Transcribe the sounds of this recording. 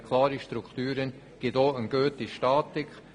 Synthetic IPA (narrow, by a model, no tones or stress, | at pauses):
kʰlˠɑːɾiʃt̪ɾukʰt̪yːɾən | ɡ̥ɪt̪oːənɡ̥øːt̪iʃtɑːt̪ɪk